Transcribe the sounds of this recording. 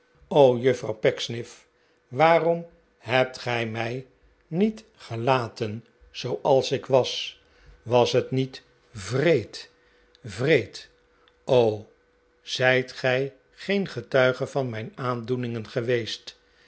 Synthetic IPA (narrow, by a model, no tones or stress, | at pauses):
owjɵfrɑ̰wpɛksnɪf | ʋaːrɔm | ɦɛp̚tχɛjmɛj | nit | χəlaːtən | z̥owʔɑlˠsɪkʋɑs | ʋɑsɦətnit | vrejt | vrejt | ʔow | z̥ɛjtχɛj | χejnχətœɥχəvɑnmɛjnaːndunɪŋənχəʋejst